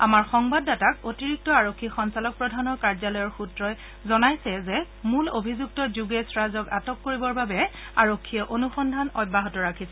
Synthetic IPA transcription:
a̰maɹxɔŋbadːatakotiɹik̚tɔaɹokʰːixɔnsalɔk̚pɹɔdʱanɔkaɹzalɔjɔɹxutɹɔj | zɔnajsɛzɛ | mulobʱizuk̚tɔzuɡesɹazɔka̰tɔkːoɹibɔɹbabɛ | aɹokʰːijɔʔonuxɔndʱanɔbʱaɦɔtɔɹakʰisɛ

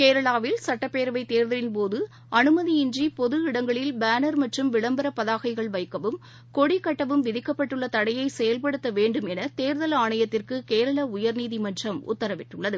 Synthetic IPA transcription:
keːɾɐɭaːʋɪlsɐʈːɐpːeːɾɐʋɐɪt̪eːɾðɐɾɪnpoːðɯ | ɐnɯmɐðiɪnd͡ʒipɔðɯɪɽɐŋɡɐɭɪlbaːnɐɾmɐʈrɯmʋɪɭɐmbɐɾɐpːɐðaːɣɐɪɣɐɭʋɐɪkːɐʋɯm | kɔɽikɐʈːɐʋɯmʋɪðɪkːɐpːɐʈːɯɭːɐt̪ɐɽɐjɐɪsɛjɐlpɐɽɯt̪ːɐʋeːɳɖɯmɛnɐt̪eːɾðɐlaːɳɐjɐt̪ːɪrkɯkeːɾɐɭaːʊjɐɾniːðimɐnd͡ʒɐmʊ̰t̪ːɐɾɐʋɪʈːɯɭːɐðɯ

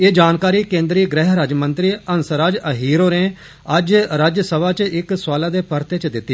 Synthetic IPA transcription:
eːd͡ʒaːnkaːɾiːkẽːnd̪ɾiːɡɾɛːɦɾaːd͡ʒmənt̪ɾiːənsɾaːd͡ʒəɦiːɾoːɾẽː | əd͡ʒɾaːd͡ʒsəʋaːt͡ʃɪkswaːlaːd̪eːpəɾt̪eːt͡ʃd̪ɪt̪ːiː

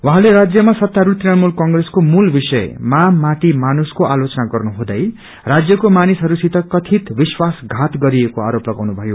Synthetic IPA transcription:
waɦãleɾad͡zjʌmasʌt̪ːaɾut̪inamulkʌŋɡreskomulbisʌḛmamaʈ̪imanuskoʔalot͡sʌnaɡʌrnuɦũd̪ʌj | rad͡zjʌkomanisɦʌɾusit̪ʌkʌt̪ʰit̪biswasɡʱat̪ɡʌɾiekoa̰ɾoplʌɡawnubʱʌjo

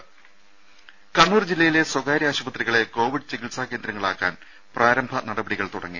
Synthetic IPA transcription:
kɐɳːuːrd͡ʑilːɐjile̞swɐɡaːɾiaːɕubɐt̪riɣɐɭe̞ko̞ːʋiɖɨt͡ɕiɡilsaːke̞ːnd̪ɾɐŋːɐɭaːkːa̰ːn | prʔaːɾɐmbʱɐnɐɽɐbɐɽiɣɐɭt̪uɽɐ̰ŋːi

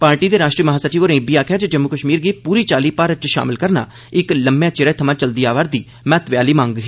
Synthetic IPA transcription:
paːɾʈiːd̪eːɾaːʃʈɾiːməɦaːsəʈʰiːoːɾẽːbiːaːkʰjaːd͡ʒed͡ʒəmːuːkəʃmiːɾɡiːpuːɾiːt͡ʃaːliːpaːɾət͡ʃʃa̰ːmɪlkəɾna̰ː | ɪkləmjãːt͡ʃɪɾɛːt̪ʰəmãːt͡ʃəld̪iːaːʋaɾd̪iː | mɛːt̪ʋɪjaːliːmãːŋɡɦ

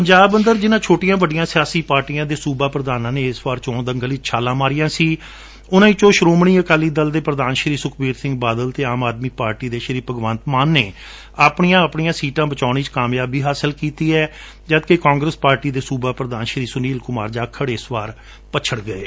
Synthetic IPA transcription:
pəɲd͡ʒaːbənd̪əɾd͡ʒɪnãːt͡ʃʰoːʈɪjãːʋəɖɪjãːsɪjaːsiːpaːɾʈijãːd̪eːsuːbaːpɾəd̪aːnãːneːɪsʋaːɾt͡ʃõːnd̪əŋɡəliːt͡ʃʰaːlãːmaːɾɪjãːsiː | ʊnãːĩːt͡ʃõːʃɾoːmɳ̃iːəkaːliːd̪əld̪eːpɾəd̪aːnʃɾiːsʊkʰbiːɾsɪ̃ŋɡ̚baːd̪əlt̪eːaːmaːd̪miːpaːɾʈiːd̪eːʃəɾiːpəɡʋənt̪maːnːḛː | aːpɳijãːəpɳijãːsiːʈãːbət͡ʃaːɳ̃iːt͡ʃkaːmjaːbiːɦaːsəlkiːt̪iːɛː | d͡ʒəd̪kekãːŋɡɾəspaːɾʈiːd̪eːsuːbaːpɾəd̪aːnʃɾiːsʊniːlkʊma̰ːɾd͡ʒaːkʰːəɽeɪsʋaːɾ | pət͡ʃʰəɽɡəḛː

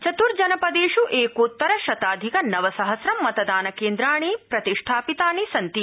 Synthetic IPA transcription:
t͡ʃɐt̪uɾd͡ʒɐnɐpɐd̪eːʂuʔeːkut̪ːɐɾɐʃɐt̪aːd̪ʱikɐnɐʋɐsɐɦɐsɾɐmːɐt̪ɐd̪aːnɐkeːnd̪ɾaːɳ̃ipɾɐt̪iʂʈʰaːpit̪aːɳisɐnt̪i

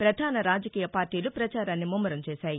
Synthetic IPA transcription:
pɾɐd̪ʱaːnɐɾaːd͡ʒɐkiːjɐpaːɾʈiːlupɾɐt͡ʃaːɾaːnːimumːɐɾɐmt͡ʃɛːʃaːji

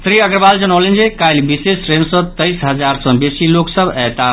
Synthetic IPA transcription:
sɾiəɡɾəbald͡ʒənəwlend͡ʒekajlbisesɾemsɔ̃t̪əjsɦəd͡ʒaɾsɔ̃besiloksəbɛt̪a

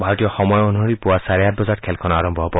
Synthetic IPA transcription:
bʱaɾɔt̪ijɔxɔmɔjonuɦɔɾipuwasaɾejat̪̚bɔzatkʰɛlkʰɔnaaɾɔmbʱɔɦɔpɔ

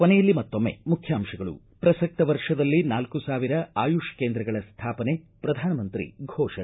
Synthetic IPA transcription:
kɔnɛjɐlːimɐt̪ːomːe̞̰mukʰjaːmʂɐɡɐɭṵ | pɾɐsɐk̚t̪ɐʋɐɾʂɐd̪ɐlːinaːlkusaːʋiɾɐaːjuʂkeːnd̪ɾɐɡɐɭɐst̪ʰaːpɐne̞ | pɾɐd̪ʱaːnɐmɐnt̪ɾḭɡʱɔːʂɐɳ

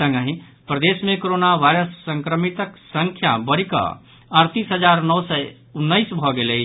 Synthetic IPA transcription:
sə̃ŋɡə̃ɦĩ | pɾəd̪esmẽkoɾonaʋajɾəsːəŋkɾəmit̪əksə̃ŋkʰja̰bəɾikə̰ | əɾt̪isɦəd͡ʒaɾnɔwsɛ | unːəɪsbʱɔɡeləi

